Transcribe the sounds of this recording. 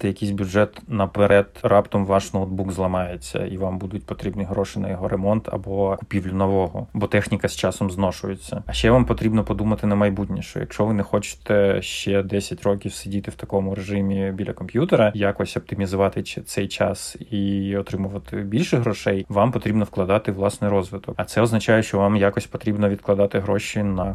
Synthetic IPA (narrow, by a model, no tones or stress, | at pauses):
t̪ɛjɐkʲijs̬ʲbʲjʊʐɛt̪nɐpeɾʔɛt̪rɑpt̪ɔmʋɑʂnɔɔd̪̚buɡzlˠɐmɑjet͡sʲːɐ̰iʋambud̪ʊtʲpɔt̪ɾʲibnɨjɦɾɔʃɪjnɐ̰jɔɦɔɾemɔnt̪ɐ̰bɔkʊpʲiwlʲʊnɔʋɔɦɔbɔt̪ɛxnʲikɐst͡ʃɑsɔmznɔʃʊjet͡sʲːɐɐʃt͡ʃɛʋampɔt̪ɾʲibnɔpɔd̪umɐt̪ɪnɐmɐjbutʲnʲḭʃt͡ʃɔ̰jɐ̰kʃt͡ʃɔʋɪnɛxɔt͡ʃɪ̥t̪ɛʃt͡ʃɛd̪ɛsʲɐtʲrɔkʲiwsɪdʲit̪ɪwt̪ɐkɔmʊɾeʒɪmʲibʲilʲɐkɔmpʲjut̪eɾɐjakɔsʲɔp̚t̪ɪmʲizʊʋɑt̪ɪt̪sɛjt͡ʃɑsiɔt̪ɾɪmʊʋɐt̪ɪbʲilʲʃɛɦɾɔʃɛjʋampɔt̪ɾʲibnɔfklˠɐd̪ɑt̪ɪʋlˠɑsnɪjɾɔzʋɪt̪ɔkɐt̪sɛɔznɐt͡ʃajɛʃt͡ʃɔʋamjakɔsʲpɔt̪ɾʲibnɔʋʲid̪klˠɐd̪ɑt̪ɪɦɾɔʃinɐ